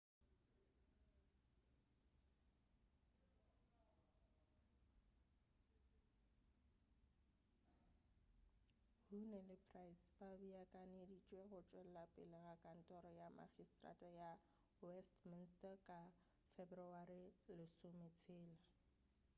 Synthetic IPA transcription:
runɛlɪpʰrajsbabiakʼanedit͡ʃʼweɣʊt͡ʃʼwɛl̩lapʼɪlɪɣakʼan̩tʼɔɾɔjama̰χistʼra̰tʼaja | wɛstmɪnstakʼa | febrɔarilɪsʊmet͡sʰɪːla

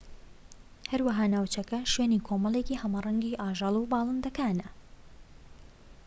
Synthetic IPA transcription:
hɐɾwɐɦaːnaːwt͡ʃɐkɐʃweːniːkʰomɐlˠeciːhɐmɑrˤɐŋɡiʔaːʒɑlˠubɑːlˠɨnd̪ɐkaːnɐ

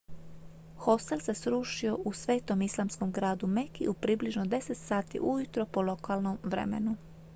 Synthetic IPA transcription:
xo̞st̪elˠse̞sɾuːʃio̞ʔusʋeːt̪o̞mislˠamsko̞mɡɾaːd̪umekḭʔupɾibliʒno̞d̪e̞set̪saːt̪ḭʔujut̪ɾo̞polo̞kʰalˠnomʋɾḛmḛnu

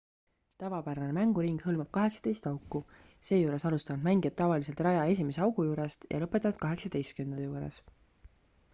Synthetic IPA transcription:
t̪ævɑpæɾɑne̞mæŋɡ̥uɾiŋɡ̥hɤlmɑb̥̚kɑɦe̞ksɑ̥t̪e̞jst̪ɑwkːˑu | se̞ːjuːɾe̞sɑlust̪ɑnud̪̥mæŋɡijɑt̪̚ːɑvɑlis̬e̞lt̪rɑjɑe̞s̬ʲime̞seɑwɡ̥ujuːɾe̞st̪jʔɑ̰lɤpːˑet̪ːˑɑnd̪̥̚kɑɦe̞ksɑ̥t̪e̞jst̪̚kynd̪juːɾḛs

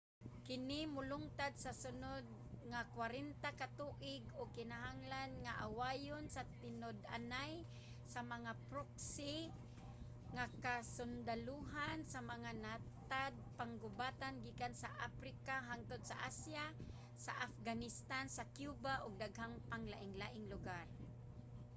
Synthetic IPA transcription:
kɪnɪmʊlʊŋt̪ad̪̚sasʊnʊd̪̚ŋakwaɾɛnt̪akat̪uʔɪɡʊɡ̚kɪnaɦaŋlanŋaʔawajʊnsat̪ɪnʊd̪ʔa̰naj | samaŋapɾoksi | ŋakasʊnd̪aluɦansamaŋanat̪ad̪̚paŋɡʊbat̪anɡikansaʔafɾikaɦaŋt̪ʊd̪̚sa̰ʔasja | saʔafɡanɪst̪ansakjubaʔʊɡ̚d̪aɡɦaŋpaŋlaʔɪŋlaʔɪŋlʊɡar

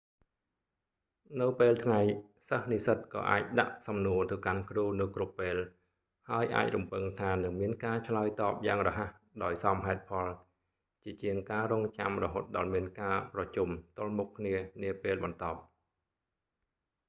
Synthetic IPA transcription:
nɨwpeːlt̪ʰŋajsəhnisət̪̚kɑ̰ːʔa̰ːc̚ɗa̰ʔsɑmnuət̪ɨwkankruːnɨwkrupːeːl | haəjʔa̰ːc̚rumpɨŋt̪ʰaːnɨŋmiənkaːt͡ɕʰlaəjt̪ɑːp̚jaːŋrɔːɦah | ɗaɔjsɑmɦaɛt̪̚pʰɑl | t͡ɕiət͡ɕiəŋkaːrɔːŋt͡ɕamrɔɦoːt̪̚ɗɑlmiənkaːprɑt͡ɕumt̪ʊ̆əlmukʰːniəniəpeːlɓɑnt̪ɑːp̚

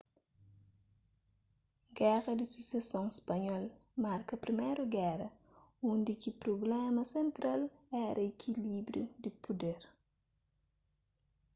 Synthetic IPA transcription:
ɡɛɾɐdisisasɔŋɛspaɲɔlmaɾkɐpɾimɛɾoɡɛɾɐ | undikipɾoblɛmɐsɛnt̪ɾalɛɾʔɐekʰilibɾjodipudɛr

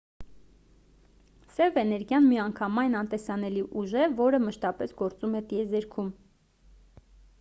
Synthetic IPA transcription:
sɛvɛnɛɾɡjɑnmiɑŋkʰɑmɑjnɑnt̪ɛsɑn̪ɛliʔuʒɛvɔɾəməʃt̪ɑpɛsɡɔɾt͡sumɛt̪iɛzɛɾkʰum

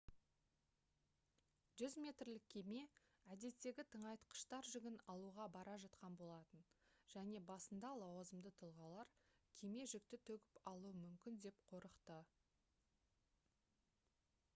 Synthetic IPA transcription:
ʒʏzmʲe̞t̪rlɪkʲʰːe̞me̞æd̪e̞t̪ːe̞ɡʲɪt̪ʰəɴɑjt̪qʰə̥ʃt̪ɑɾʒʏɡʲɪnɑlˠuʁɑbɑɾɑʒɑt̪qɑnbo̞lˠɑt̪ənʒ̥æne̞bɑsənd̪ɑlˠɑwɑzəmd̪ət̪ʰəlˠʁɑlˠɑɾkʲʰe̞me̞ʒɪk̚t̪ɪt̪ʰɵɡʲɪpɑlˠuəmʏmkʲɪnd̪e̞pqʰo̞ɾəqt̪ə

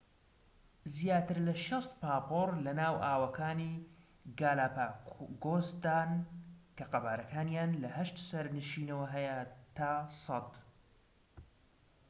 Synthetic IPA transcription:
zjaːt̪ɨɾlɐʃɐst̪paːpoːrlɐnaːwʔaːwɐkʰaːniː | ɡaːlaːpaːɡoːzd̪aːnkɐqɐbaːɾɐkʰaːnjaːnlɐhɐʃt̪sɐɾnɨʃiːnɐwɐɦɐjət̪ʰaːsˤɑt̪

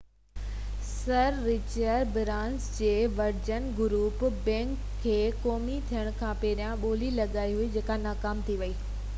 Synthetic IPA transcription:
sɐɾːɪt͡ɕəɖbɪɾãːnsd͡ʑeːʋɐɾd͡ʑənɡʊɾuːpbɛ̃ːŋkʰːeːkoːmit̪ʰijəɽ̃kʰãːpeːɗijãɓoːlilɐɠaːiɦʊid͡ʑeːkanaːkaːmt̪ʰiʋɐiː

